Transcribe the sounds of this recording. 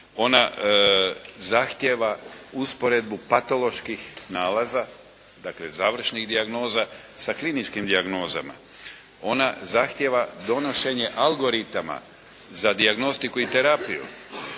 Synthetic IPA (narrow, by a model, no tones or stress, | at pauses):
o̞na | zaxt̪jeʋauspo̞ɾe̞d̪̚bupat̪o̞lo̞ʃkixnaːlaza | d̪akle̞zaːʋr̩ʃniɣd̪iaɡno̞ːza | saklinit͡ʃkimd̪iaɡno̞ːza̰ma̰ | o̞nazaxt̪je̞ʋad̪o̞no̞ʃe̞ɲe̞ʔalɡo̞ɾit̪ama̰ | zad̪iaɡno̞st̪ikuit̪eɾapijṵ